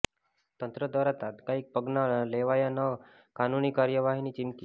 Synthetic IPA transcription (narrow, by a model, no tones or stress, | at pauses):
t̪ənt̪ɾəd̪ʋaɾat̪ad̪kaiːk̚pəɡnaleʋajana | kanuniːkaɾjəʋaɦiniːt͡ɕimki